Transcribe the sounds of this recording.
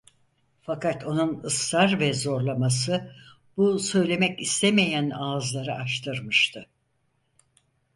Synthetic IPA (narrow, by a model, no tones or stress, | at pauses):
fakat̪ʰo̞nunɯsaɾvɛzo̞ɾlˠamasɯ | b̥usø̞jlʲe̞mɛcist̪ʰemejænazlˠaɾɯʔaʃt̪ʰɯɾmɯʃt̪ʰɯ